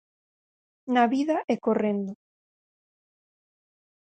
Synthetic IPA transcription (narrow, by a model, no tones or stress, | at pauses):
naβiðaʔɛkorend̪o